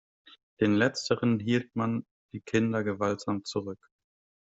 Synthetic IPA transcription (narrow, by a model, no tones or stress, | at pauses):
d̥eːnlɛt͡stʰəʁənɦiːltman | d̥iːkʰɪndɐɡəvaltz̥aːmt͡suʁʏk